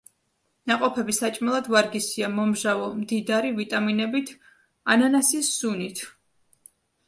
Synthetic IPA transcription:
naqʼɔpʰɛbisat͡ʃʼmɛlˠad̪vaɾɡisiamɔmʒavɔmd̪id̪aɾivit̪ʼaminɛbit̪ʰ | ananasisz̥unit̪ʰ

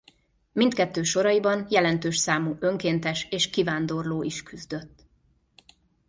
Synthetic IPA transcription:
mint̪̚kɛt̪ːøːʃo̞ɾɒibɒnjɛlɛnt̪øːʃsaːmuːʔø̞ŋkeːnt̪ɛʃeːʃkivaːnd̪o̞rloːʔiʃkyzd̪ø̞t̪ː

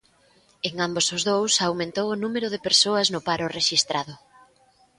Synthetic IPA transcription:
eŋambosʊzðowsawmẽnt̪owʊnumeɾʊð̞ɪpeɾsoɐznʊpaɾʊreʃist̪ɾʔaðʊ

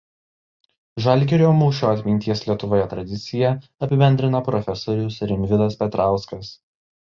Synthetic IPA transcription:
ʒɐlʲɡʲɛɾʲoːmuːʃʲoːɐt̪ʲmʲɪnʲt̪ʲiɛslʲiɛt̪ʊʋoːjɛt̪ɾɐd̪ʲɪt̪sʲɪjɛɐpʲɪbʲɛnʲd̪ʲɾʲɪnɐpɾɔfʲɛsɔɾʲʊsɾʲɪmʲʋʲɪd̪ɐspʲɛt̪ɾɑˑʊskɐs

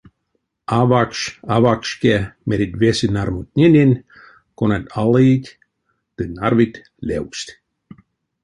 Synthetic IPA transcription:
avakʃavakʃkemeɾʲit̪vesɨnarmut̪̚ʲnʲenʲinʲ | konanalit̪ʲ | t̪ɨnarvit̪ʲ | lʲewst̪ʲ

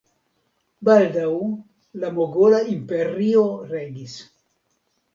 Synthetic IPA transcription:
baldaw | lamoɡolaimpe̞ɾio̞ɾe̞ɡis

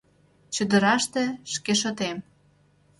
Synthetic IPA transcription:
t͡ɕud̪ə̆ɾɑʃt̪ĕʃkeʃ̬ɤ̆t̪em

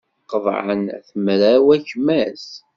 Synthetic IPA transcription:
qəvˤʕə̰nθəmɾæwæçmæs

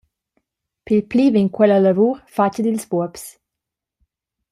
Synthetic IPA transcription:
pilpliːviŋkwɛlalavuːɾfat͡ʃəd̪ilsbuɔps

